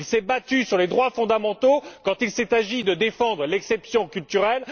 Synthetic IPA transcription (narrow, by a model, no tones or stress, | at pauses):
lsɛbat̪ysyʁled̪ʁwafɔ̃d̪amɑ̃t̪okɑ̃t̪ilsɛt̪aʒid̪əd̪efɑ̃d̪ʁəlɛksɛpsjɔ̃kʲylt̪yʁɛl